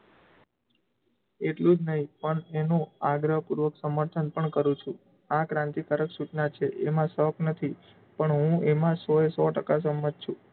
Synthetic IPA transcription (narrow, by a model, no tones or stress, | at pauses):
eʈlũd͡ʒnəɦĩpəɳenũaɡɾəpuɾʋəksəməɾt̪ʰənpəɳkəɾũt͡ʃʰũ | akɾãnt̪ik̪əɾəksuʈnat͡ʃʰeʔemãsəknət̪ʰi | pəɳɦũemãsɔesɔʈəkas̬əmət̪̚t͡ʃʰũ